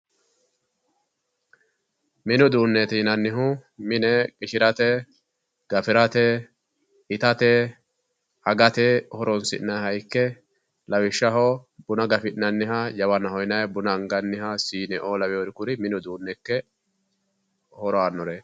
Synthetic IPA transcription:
mɪnɔd̪uːnːɛt̪iːnɐnːɪɦʊmɪnɛkʼɪʃɪɾɐt̪ɛ | ɡ̥ɐfɪɾɐt̪ɛ | ɪt̪ɐt̪ɛ | ʔɐɡɐt̪ehɔɾɔnsɪ̰nːɐhɐjkːɛ | lɐwɪʃːɐɦɔbʊnɐɡɐfɪnɐnːɪɦɐjɐwɐnɐhɔjnɐjbʊnɐŋɡɐnːɪɦɐsiːnɛʔolɐwɛɔɾɪkʊɾɪmɪnɔd̪uːnːɛkːɛ | hɔɾɔanːɔɾe

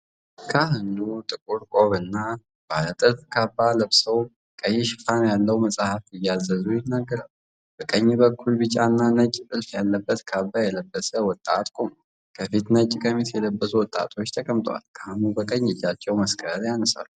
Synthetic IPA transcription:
kʰahɨnːut̪ʼɨkʼuɾkʼoβɨnːa | b̥a̰lət̪ʼɨlfkʰabːaləβsəw | kʼəjːɪʃɪ̥fanjalːəwməsʼahafɨjːazːəzujɛnəɡːəɾal | b̥əkʼəɲːbəkʰːulbɨt͡ʃʼanːanət͡ʃʼːt̪ʼɨlfjalːəbːət̪kʰabːajɛləbːəsəwɔt̪ʼːat̪kʰʼom | kʰəfit̪nət͡ʃʼːɪkʼəmit̪jɛləbːəsuwɔt̪ʼːa̰t̪ʰo̞t͡ʃːt̪ʰəkʼəmt̪ʼwa̰lkʰahɨnubəkʼəɲːɪd͡ʒːat͡ʃːɛwməskʰəɾjanəsa̰lu

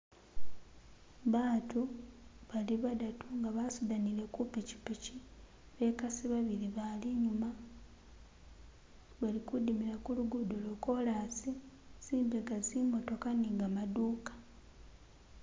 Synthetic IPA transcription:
βaːtuβaliβadatuŋɡaβasudanile̞kupeci̥peci | βe̞kasiβaβiɾiβaliɲuma | βalikudimiɾakuluɡudoloko̞lasiz̥iːmbeɡazimo̞to̞kaniŋɡamaduːkḁ

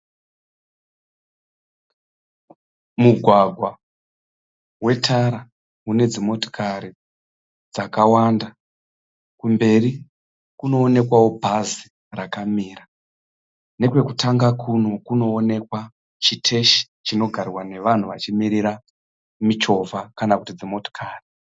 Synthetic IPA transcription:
muɡʱwaɡʱwa | we̞tʰaɾa | une̞d͡zimo̞to̥kʰaɾi | d͡zakawanda | kumbe̞ri | kuno̞ːne̞kwawo̞bʱazi | rakamiːra | ne̞k̬we̞kutaŋɡakʰuno̞kuno̞ːne̞kwa | t͡ʃitʰe̞ʃi̥ | t͡ʃino̞ɡʱarrwane̞ʋan̤uʋat͡ʃimiɾiɾa | mit͡ʃo̞vakanakutid͡zimo̞to̥kʰaːri

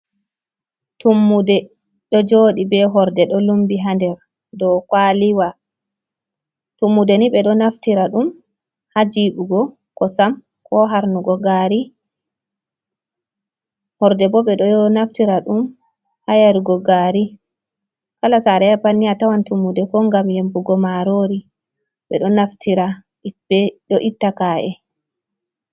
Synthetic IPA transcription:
tumːudɛ | ɗɔd͡ʒoːɗibɛɦɔɾdɛɗɔlumbiɦandɛɾ | dɔkwaliwa | tumːudɛniɓɛɗɔnaftiɾaɗum | had͡ʒiɗuɡɔ | kɔsam | kɔɦaɾnuɡɔɡaːɾi | hɔɾdɛbɔɓɛɗɔnaftiɾaɗum | hajaɾiɡɔɡaɾi | kalasaɾɛapanːiatawantumːudɛkɔŋɡamjembuɡɔmaɾoɾi | ɓɛ̰ɗɔnaftʰiɾa | ɗɔʔitːakaʔɛ̰

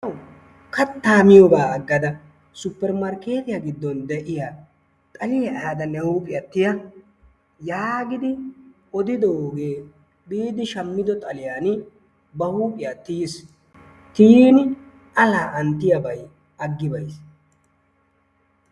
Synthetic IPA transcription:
ɐw | kɐt̪ːaːmɪjɔbaːɐɡːɐd̪ɐ | sʊpːɛɾmɐɾke̞ːt̪ɪjaɡɪd̪ːɔnd̪ɛʔɪja | t̪ʼɐlɪjɛʔaːd̪ɐnɛhuːpʼɪjɐt̪ːɪjɐ | jaːɡɪd̪ɪ | ɔd̪ɪd̪ɔːɡe̞ː | biːd̪ɪʃɐmːɪd̪ɔt̪ʼɐlɪjaːn | bɐhuːpʼɪjat̪ːɪjɪs | t̪iːnɪ | ʔɐlaːʔɐnt̪ːɪjɐbɐj | ɐɡːɪbɐjs

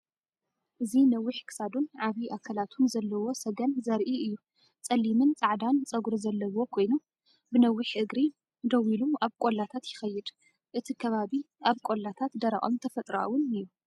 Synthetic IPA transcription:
ʔɨzinɐwːɪħkʰɨ̥sad̪unʕaβiʔakʰɐlat̪ʰunzɐlːɐwo̞sɐɡɐnzɐɾʔiɨjːu | t͡sʼɐlːimɨnt͡sʼaʕd̪ant͡sʼɐɡuɾozɐlːɐwo̞kʰo̞jnu | bɨnɐwːɪħʔɨɡɾi | d̪ɐwiluaβkʼolːat̪ʰat̪jɪxɐjːɪd̪ | ʔɨt̪ʰikʰɐβaβi | ʔaβkʷʼo̞lːat̪ʰat̪d̪ɐɾa̰ʔʼo̰mt̪ʰɐfɐt̪ʼɾa̰wʊnɨjːu

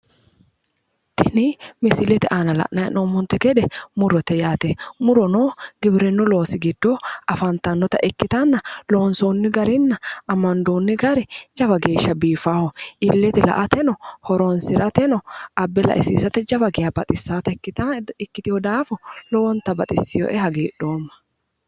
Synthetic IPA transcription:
t̪ɪnɪmɪsɪlɛt̪ɪʔaːnɐlɐ̰ʔnɐɛnɔmːʊnt̪ɛɡɛd̪ɛmʊɾɔt̪ɛjaːt̪ɛmʊɾɔnoːɡ̥ɪbɾɛnːʊlo̞ːsɪɡɪd̪ːoɐfɐnt̪ɐnːɔt̪ɐʔɪkːɪt̪ɐnːɐloɔnsoːnːɪɡɐɾɪnːɐɐmɐnd̪oːnːɪɡɐɾɪd͡ʒɐbɐɡe̞ːʃːɐbiːfaːhɔʔɪlːɛt̪ɪlɐ̰ʔɐt̪ɛnɔhɔɾɔnsɪɾɐt̪ɛnɔʔɐbːɛlɐ̰ʔɪsiːsɐt̪ɛd͡ʒɐbɐɡɪjɐbɐt̪ʼɪsːaːt̪ɐkːɪt̪ɪkːɪt̪ɪhɔd̪aːfɔlɔwɔnt̪ɐbɐt̪ʼɪsːɪjo̰ʔɛhɐɡeːᶑoːmːɐ̥

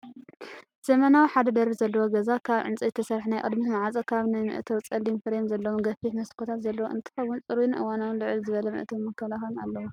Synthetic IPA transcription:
z̥ɐmɐnawiħad̪ɐd̪ɐɾbizɐlːɐwoɡɐzakʰaβʕɨ̰nt͡sʼizɨt̪ʰɐsɐɾħnajkʼɨ̰d̪mit̪maʕat͡sʼɐkʰaβnajmɨ̰ʔt̪ʰowt͡sʼɐlimfɨɾemzɐlːɐwonɡɐfiħmɐskʰot̪ʰat̪zɐlːɐwoʔɨ̰nt̪ʰɨ̥kɐβunt͡sʼɨɾunʔɨ̰wanawlɨʕɨlzɨβɐlɐmɨ̰ʔt̪ʰomɐkʰːɐlaxɐlunalːɐwu

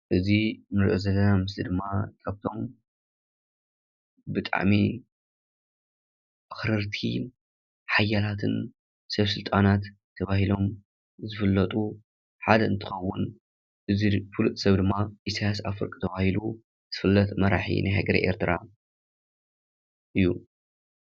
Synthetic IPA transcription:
ʔɨzinɨɾʔɨzɐlɐnamɨslid̪ɨmːakʼɐβt̪ʰo̞m | bɨt̪ʼa̰ʕmi | axɾɨɾt̪ʰḭ | ħajalat̪ʰɨn | sɐβsɨlt̪ʼanat̪ʰːɐβahilo̞m | zɨfɨlːɐt̪ʼu | ħad̪ɐɨnt̪ʰɨxɐwːʊn | ʔɨzifɨlut̪ʼsɐβd̪ɨmːaisajasafɨ̰ɾkʼt̪ʰɐβahilu | z̥ɨfɨlːɐt̪mɐɾaħḭnajhaɡɐɾḭʔḛɾt̪ʰɨɾa̰ | ʔɨjːu

